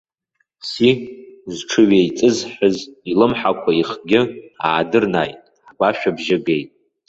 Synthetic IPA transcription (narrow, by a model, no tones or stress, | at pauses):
sizʈ͡ʂʰɨɥejt͡sʼɨzħʊzilɨmħakʷʰaiχɡʲɪa̰ːdɨrnajtʼ | ħɡʷaʃᶣabʒaɡejtʼ